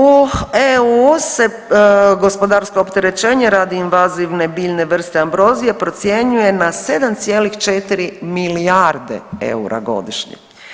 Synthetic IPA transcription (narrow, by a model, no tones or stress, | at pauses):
ueuse̞ | ɡo̞spo̞d̪aɾskoopt̪eɾe̞t͡ʃe̞ːɲeɾaːd̪iinʋaziʋne̞biːʎne̞ʋr̩st̪eambɾo̞zijepɾo̞t̪sje̞ɲuje̞nase̞d̪amt̪sjeːlixt͡ʃet̪iɾimiliaɾd̪ḛḛuɾa̰ɡo̞̰d̪iʃɲḛ